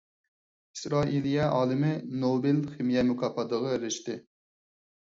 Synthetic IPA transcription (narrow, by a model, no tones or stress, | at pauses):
i̥sɾɑːʔilijɛʔɑːlˠɪmɪnobɪlχɪmijɛmukʰɑːpɑd̪əʁɑɾɪʃt̪ɪ